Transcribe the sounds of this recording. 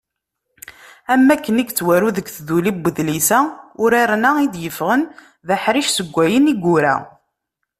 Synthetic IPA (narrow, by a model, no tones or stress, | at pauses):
æmːækːəniɡt͡sːwæɾuðəɡθðulibːəðlisæʊɾaɾnaid̪jəfʁən | ðəħɾiʃsəɡʷːæjəniɡʷːʊɾæ̰